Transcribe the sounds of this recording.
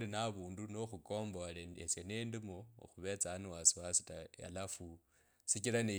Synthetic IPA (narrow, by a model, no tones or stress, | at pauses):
linaβuːndunoxuko̞ːmboleesjenendimoo̰xuβe̞t͡saːniwasiwasi̥taja̰lafu | sikilane